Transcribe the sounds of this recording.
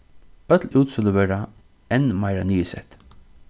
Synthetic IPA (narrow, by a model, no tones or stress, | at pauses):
œt̪luːt̪sʊləvɛːɾa | ɛnːmaɪɾaniːsɛ̰t̪